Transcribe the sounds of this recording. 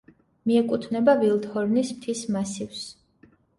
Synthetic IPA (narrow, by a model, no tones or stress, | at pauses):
miɛkʼut̪ʰnɛbavilˠt̪hɔɾnismt̪ʰismasivs